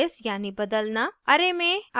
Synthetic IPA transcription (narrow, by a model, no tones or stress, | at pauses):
sjaːnibɐd̪əlnaɐɾemẽa